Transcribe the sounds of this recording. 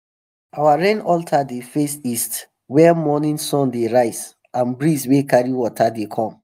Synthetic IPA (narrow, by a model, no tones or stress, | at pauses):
awaɹẽnɔltʰadefesist | wɛmɔnĩnsɔ̃ndeɹaɪz | ãnbɹiswekaɹiwɔtʰadekʰɔ̃m